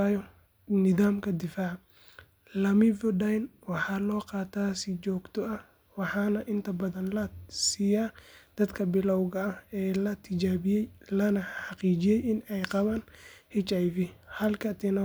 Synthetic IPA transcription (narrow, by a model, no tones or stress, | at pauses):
jɔ | nɪðaːmkʰɐd̪ɪfaːʕ | lɐmɪvɔɖajnwɑħɑːlɔːqɑːt̪ʰaːsɪt͡ʃɔːɡt̪ʰɔɐ | wɑħɑːnɐʔɪnt̪ʰɐbɐðɐnlɐsiːjaːd̪̥ɐd̪kʰɐbɪlɐwɣɐɐhɛːlɐt̪ʰɪt͡ʃaːβɪjɛjlɐnɐħɑqiːt͡ʃɪjɛjɪnɛjqɑβaːnhɪt͡ʃajvɪhɐlkʰɐt̪ʰɪnɔ